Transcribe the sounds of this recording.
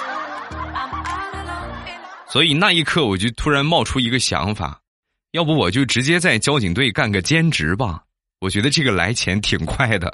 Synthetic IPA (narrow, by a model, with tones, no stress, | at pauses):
swɔ˧˥i˨˩na˥˧i˥˧kʰɤ˥˩wɔ˨˩t͡ɕjo˥˩ʊt̪ʰu˥ɻa˧˥nmɑ˥˩ʊʈ͡ʂʰu˥i˧˥ɡə˧ɕjɑ̰˧˥ŋfa̰˨˩˦ | jɑ˥˩ʊpu˧˥wɔ˨˩t͡ɕjo˥˩ʊʈ͡ʂɻ̩˧˥t͡ɕjɛ˥t͡sa˥˩ɪt͡ɕjɑ˥ʊt͡ɕi˨˩ŋt̪we˥˩ɪka˥˩nɡə˩t͡ɕjɛ˥nʈ͡ʂɻ̩˧˥bɐ̰˧ | wɔ˨˩t͡ɕɥɛ˧˥d̪ə˧ʈ͡ʂɤ˥˩ɡə˩la̰˧˥ɪt͡ɕʰjɛ̰˧˥nt̪ʰi˨˩ŋkʰwa˥˩ɪd̪ə̰˩